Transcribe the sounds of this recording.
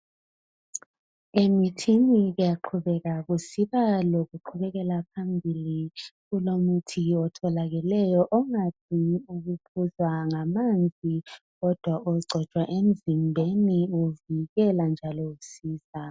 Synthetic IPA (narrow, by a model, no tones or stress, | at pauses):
emitʰiniɣujaǃʰuβɛɣaɣusiβaloɣuǃʰuβɛɣɛlapʰambʱiliɣulomutʰiɔtʰɔlaɣɛlɛjɔʔɔŋatʰiuɣupʰuzwaŋamand͡zʱi | ɣɔd̥ʱwaɔǀʱɔt͡ʃʼwaʔem̩zimbʱeniuviɣɛland͡ʒʱalɔusiːza